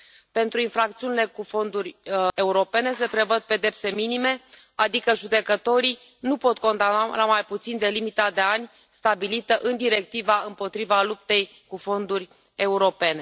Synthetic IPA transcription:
pe̞nt̪ɾuinfɾak̚t̪siunile̞kufo̞nd̪uɾʲe̞uɾo̞pe̞ne̞s̬e̞pɾe̞vəd̪̚pe̞d̪e̞pse̞minime̞ | ad̪ikəʒud̪e̞kət̪o̞ɾi | nupo̞t̪ko̞nd̪analamajput̪sind̪e̞limit̪ad̪e̞anʲ | st̪abilit̪əʔɨnd̪iɾe̞k̚t̪ivaɨmpo̞t̪ɾivalup̚t̪e̞j | kufo̞nd̪urʲ | e̞uɾo̞pe̞ne̞

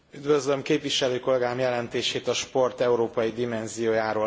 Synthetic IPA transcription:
yd̪vø̞zlø̞mkeːpʋiʃɛløːko̞lɛɡaːmjɛlɛnt̪eːʃeːt̪ɒʃpo̞rt̪ɛuɾoːpɒjid̪imɛnzijoːjaːɾoː

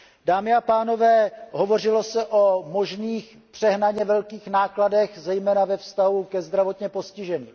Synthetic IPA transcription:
daːmɪapaːno̞vɛːɦo̞vo̞rɪlo̞sɛʔomo̞ʒniːx | pr̥ɛɦnaɲɛvɛlkiːxnaːkladɛxzɛjmɛːnavɛfst̪aɦukɛzd̪ɾavo̞t̪ɲɛpo̞scɪʒɛnḭː

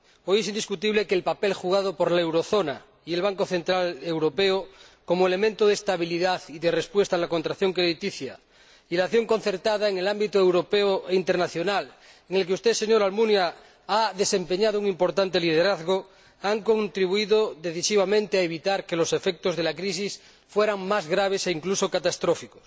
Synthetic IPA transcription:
ojesind̪iskut̪iβ̞lekeːlpapelxuɣ̞að̞opoɾlaewɾoθona | ielβaŋkoθe̞nt̪ɾalewɾopeo | komoele̞mẽnt̪oðest̪aβiliðaθiðerespwe̞st̪aːlako̞nt̪ɾaθjoŋkeðit̪iθja | ilaθjo̞ŋko̞n̟θe̞ɾt̪aðaeŋe̞lambit̪oewɾopeoint̪eɾnaθjonal | eŋe̞lkeust̪eseɲoɾalmunja | aðe̞se̞mpeɲað̞ouŋimpo̞ɾt̪ant̪eliðeɾaðɣo | aŋkont̪ɾiβuiðoðe̞θisiβ̞amẽnt̪eaeβ̞it̪aɾke̞lose̞fek̚t̪ozðelakɾisis | fweɾaŋmazɣɾaβ̞ese̞iŋklusokat̪ast̪ɾofikos

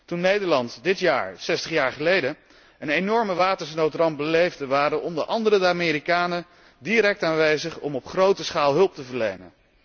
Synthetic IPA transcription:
tunːejdəɹlɑntdɪtja̰ːɹsɛstəχjaːɹχəlejdə | ənenɔɹməʋaːtəɹsnowtrɑnbəlejvdəʋaːɾənɔmdəʔɑndəɾədəaːmɪːɾikaːnə | diɾɛk̚taːnʋejzəχɔmɔpχrowtəsχaːlˠɦɵlˠp̚təvəɹlḛjnə̰n

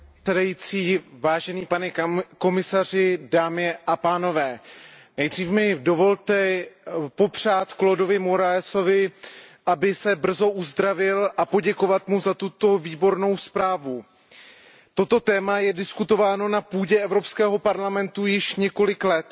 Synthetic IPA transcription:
ɛdajiːt͡siːvaːʒɛniːpanɛko̞mɪsar̝ɪdaːmɪʔapaːno̞vɛː | nɛjdr̝iːfmɪdo̞vo̞lt̪ɛ | po̞pr̝̥aːt̪klodo̞vɪmo̞ɾaɛso̞vɪʔabɪsɛbr̩zo̞ʔuzd̪ɾavɪlʔapo̞ɟɛko̞vat̪muzat̪ut̪o̞viːbo̞ɾno̞wspɾaːvu | t̪o̞t̪o̞t̪ɛːmajɛdɪskut̪o̞vaːno̞napuːɟɛʔɛvɾo̞pskɛːɦo̞paɾlamɛnt̪ujɪʃɲɛko̞lɪklɛt̪

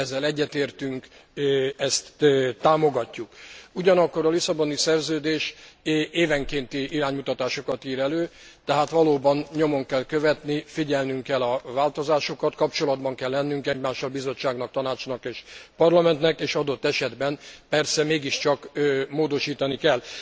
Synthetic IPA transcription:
ɛzːɛlɛɟːɛt̪eːrt̪yŋk | ɛst̪ːaːmo̞ɡɒcːukuɟɒnɒkːo̞ɾɒlisɒbo̞nisɛrzøːd̪eːʃ | eːvɛŋkeːnt̪iiɾaːɲmut̪ɒt̪aːʃo̞kɒt̪iːɾɛløːt̪ɛɦaːt̪ʋɒloːbɒnɲomo̞ŋkɛlkøvɛt̪nifiɟɛlnyŋkɛlːɒvaːlt̪o̞zaːʃokɒt̪kɒpt͡ʃo̞lɒd̪bɒŋkɛlːɛnːyŋkɛɟmaːʃɒbizo̞t͡ʃːaːɡnɒkt̪ɒnaːt͡ʃnɒkeːʃpɒrlɒmɛnt̪nɛkeːʃɒd̪o̞t̪ːɛʃɛd̪bɛnpɛrsɛmeːɡiʃt͡ʃɒkmoːd̪o̞ʃiːt̪ɒnikɛlː

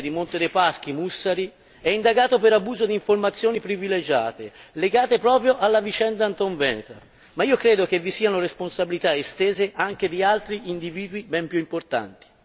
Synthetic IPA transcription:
d̪imont̪ed̪epask̟imusːaɾi | ɛind̪aɡaːt̪opeɾabuːzod̪iɱformat̪sːjoːnipɾiviled͡ʒa̰ːt̪eleɡaːt̪epɾɔːpɾjoʔalːavit͡ʃɛnd̪aːnt̪ɔɱvɛːnet̪a̰ | maiːokɾeːd̪ok̟evːisiːanoresponsabilit̪aest̪eːzeʔaŋk̟ed̪ialt̪ɾiʔind̪iviːd̪wibɛmpjuimport̪a̰nt̪i̥

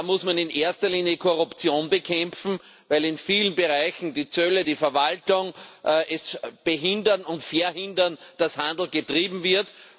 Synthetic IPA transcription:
mʊsmanɪnʔeɐstɐliːnjəkʰoʁʊpt͡sjoːnbəkʰɛ̃mfn̩ | væɪlɪnfiːlənbeʁaɪçn̩diːt͡sœlədiːfɛɐvaltʊŋʔʔɛsb̥eɦɪ̃ndɐnʊntfɛɐhɪ̃ndɐnd̥ashãndˡl̩ɡətʁiːbm̩vɪɐt

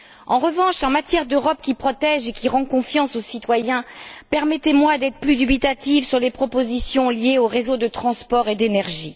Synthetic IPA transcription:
ɑ̃ʁəvɑ̃ʃɑ̃mat̪jɛʁd̪øʁɔpkʲipχɔt̪ɛʒekʲiʁɑ̃kɔ̃fjɑ̃sosit̪wajɛ̃pɛʁmɛt̪emwad̪ɛt̪χəplyd̪ybit̪at̪ivsyʁlepχɔpozisjɔ̃ljeoʁezod̪ət̪χɑ̃spɔʁed̪enɛʁʒi

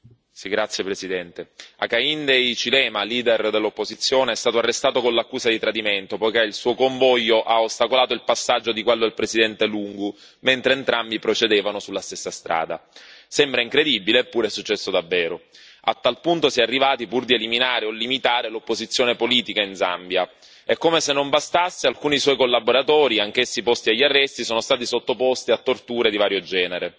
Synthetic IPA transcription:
siɡɾat̪sːjepɾesid̪ɛnt̪ea̰kaind̪ejt͡ʃilɛmaliːd̪erd̪elːopːozit̪sːjoːneɛst̪aːt̪oarːest̪aːt̪okõlakːuːsad̪it̪ɾad̪iment̪opojkeilsuːokoɱvɔjːoʔaost̪akolaːt̪oilpasːad͡ʒːod̪ikwɛlːoilpɾezid̪ɛnt̪eluŋɡu | ment̪ɾeːnt̪ɾambipɾot͡ʃed̪eːvanosulːast̪esːast̪ɾʔa̰ːd̪a̰sɛmbɾaiŋkɾed̪ibileːpːuːɾeɛsut͡ʃːɛsːod̪avːɛːɾo | a̰t̪ːalpunt̪osjɛarːivaːt̪ipurd̪ieliminaːɾeolːimit̪aːɾelopːozit̪sːjoːnepoliːt̪ikainza̰mbja | ɛkːomesenːombast̪asːealkuːniswɔjkolːaboɾat̪ɔːɾiaŋk̟esːipɔst̪iaʎːarːɛst̪isoːnost̪aːt̪̬isot̪ːopɔst̪iat̪ːort̪uːɾed̪ivaːɾjod͡ʒɛːneɾe

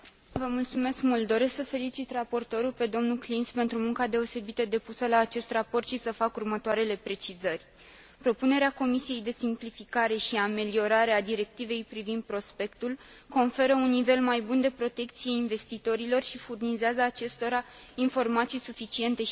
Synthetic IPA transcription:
vəmult̪sume̞skmuld̪d̪o̞ɾe̞sksəfe̞lit͡ʃit̪rapo̞rt̪o̞ɾulpe̞d̪o̞mnuklinspe̞nt̪ɾumuŋkad̪e̞o̞se̞bit̪əd̪e̞pusəlaːt͡ʃe̞st̪rapo̞rt̪ʃisəfakurmət̪oaɾe̞le̞pɾe̞t͡ʃizərʲ | pɾo̞pune̞ɾeako̞misije̞jd̪e̞simplifikaɾe̞ʃiame̞lio̞ɾaɾe̞ad̪iɾe̞k̚t̪ive̞jpɾivind̪̚pɾo̞spe̞kt̪ul | ko̞nfe̞ɾəunːive̞lmajbund̪e̞pɾo̞t̪e̞kt̪sijeinve̞st̪it̪o̞ɾilo̞rʃifurnizeazəːt͡ʃe̞st̪o̞ɾa | info̞rmat̪sijsufit͡ʃie̞nt̪e̞

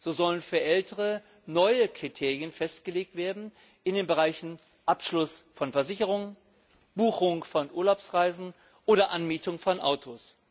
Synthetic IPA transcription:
z̥oːzɔlənfyːɐʔɛltʰəʁə | nɔʏəkʁ̥itʰeːʁjənfɛstɡ̥əleːk̚tv̥eːɐdn̩ | ʔɪndeːnbəʁaɪçn̩ | ʔapʃlʊsfɔnfɛɐzɪçəʁ̞ʊŋ | b̥uːxʊŋfɔnʔuːɐlaʊpsʁaɪzn̩ | ʔoːɾɐʔanmiːtʊŋfɔnʔa̰ʊtʰos

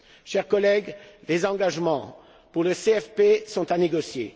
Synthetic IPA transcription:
ʃɛʁkɔlɛɡlezɑ̃ɡaʒmɑ̃ | puʁləseɛfpesɔ̃t̪aneɡɔsjḛ

